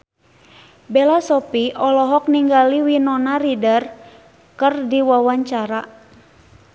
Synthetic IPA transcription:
bɛlasɔpiɔlɔɦɔk̚niŋɡaliwinɔnaɾidar | kərdiwawaɲt͡ʃaɾa

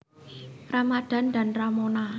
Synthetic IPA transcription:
ramad̪̥a̤nd̪a̤nramona

